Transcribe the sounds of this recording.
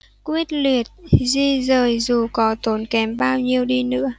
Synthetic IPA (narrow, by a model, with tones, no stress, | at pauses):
kwi˦˥ət̚li˨˩ət̚zi˧zəː˨˩jzu˨˩kɔ˨˦t̪o˨˦nkɛ˨˦mɓaː˧wɲi˧əwɗi˧nɨ̰˧˥ə